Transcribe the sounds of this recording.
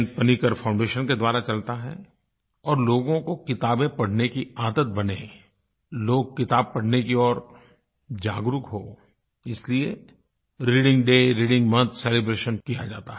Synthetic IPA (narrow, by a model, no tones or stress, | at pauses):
n̚pɐnikəɾfʰãʊ̃ɳɖeːʃənked̪waːɾat͡ʃɐlt̪aɦɛ̰ | ɔːɾloːɡõkokɪt̪aːbẽpɐɽ̤nekiaːd̪ət̪̚bɐnẽ | loːɡ̚kɪt̪aːb̚pɐɽ̤nekiɔːɾ | d͡ʒaːɡɾʊkɦoː | ɪslie | ɾiːɖɪ̃ŋɡɖeːɾiːɖɪ̃ŋɡmɐ̃nt̪ʰseːlebɾeːʃənkijad͡ʒaːt̪a